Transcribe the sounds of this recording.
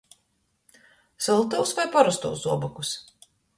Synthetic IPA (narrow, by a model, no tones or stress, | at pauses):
sɔlˠt̪awsvajpaɾust̪ṵwsuɔbɔkus